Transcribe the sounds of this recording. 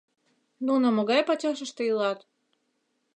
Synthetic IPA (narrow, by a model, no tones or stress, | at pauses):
nunomoɣɑjpɑt͡ɕʲɑʃ̬ə̆ʃt̪ĕjilɑt̪